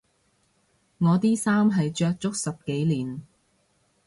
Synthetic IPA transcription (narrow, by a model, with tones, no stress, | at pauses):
ŋɔː˨˧t̪iː˥saː˥mɦɐ˨jt͡ʃœː˧k̚t͡sʊ˥k̚sɐ˨p̚ke˨˥jliː˨˩n